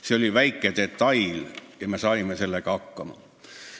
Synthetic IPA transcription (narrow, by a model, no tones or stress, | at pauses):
seolʲiʋæjkːˑed̪̥et̪ːɑjljɑmesɑimeselːekɑhɑkːɑmɑ̰